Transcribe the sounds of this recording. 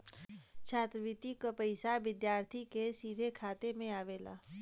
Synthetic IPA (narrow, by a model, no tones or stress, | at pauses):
t͡ʃʰaːt̪ɾəʋɪt̪ikəpəɪsaʋɪd̪jaːɾt̪ʰikesiːd̪ʱekʰaːt̪emẽaːʋeːla̰ː